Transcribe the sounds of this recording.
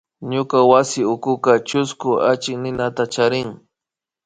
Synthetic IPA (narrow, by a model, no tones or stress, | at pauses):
ɲʊkawasɪʊkʊkat͡ʃʊskʊat͡ʃɪknɪnat̪at͡ʃaɾɪŋ